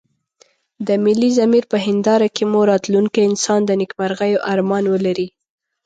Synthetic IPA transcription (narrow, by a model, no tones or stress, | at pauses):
d̪əmɪlːizamiɾpəɦɪnd̪ɑɾakemuɾɑt̪luŋkaɪnsɑnd̪ənɪkmaɾɣajoʔaɾmɑnwəlaɾi